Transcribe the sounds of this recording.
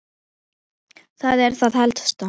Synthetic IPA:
θaðɛɾ̥θaðhɛlt̪st̪a

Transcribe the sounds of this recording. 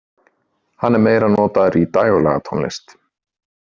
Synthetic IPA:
hanːɛɾmeːjɾanɔːt̪aðɾit̪aːjɣɔlɛ̰ɣa̰t̪ʰɔnlɪ̰st̪

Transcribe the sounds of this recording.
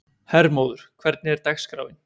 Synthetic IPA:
hɛɾmoːwðʏɾ̥kʰvɛɾt̪nɪɛɾt̪axskɾa̰ːwvɪn

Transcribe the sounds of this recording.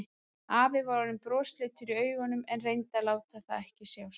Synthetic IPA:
aːvɪvaɾaðʏmpɾɔːst̪leːt̪fɪɾiœːɥɣɔnʏmɛnrejnt̪alaːwt̪aθaðɛhcɪsaws

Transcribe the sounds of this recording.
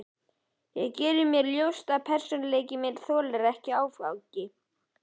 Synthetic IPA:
jɛɣcɛːɾɪmjɛɾljowst̪apʰɛr̥sɔnaleːjcɪmjɛɾ̥θɔːlɛɾɛhcɪaːwfa̰wcɪ

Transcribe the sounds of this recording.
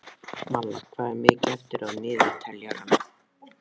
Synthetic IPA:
malaskʰvaːðɪɾmɪːcɪɛft̪ɪɾaðmɪːðɪt̪ʰɛljaɾana

